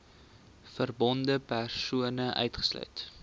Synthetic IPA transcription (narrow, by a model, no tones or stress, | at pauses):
fərbɔndəpærsuənəʔœ̰ɥtχə̥slœ̰ɥt